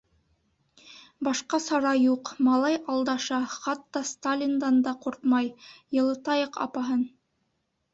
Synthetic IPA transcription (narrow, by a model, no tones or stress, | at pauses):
bɑʃqɑsɑɾɑjuqmɑlˠɑjɑlˠd̪ɑʃɑχɑt̪ːɑst̪alʲind̪ɑnd̪ɑquɾt̪mɑjjɤ̆lˠɤ̆t̪ɑjɤqɑ̰pɑɦɤn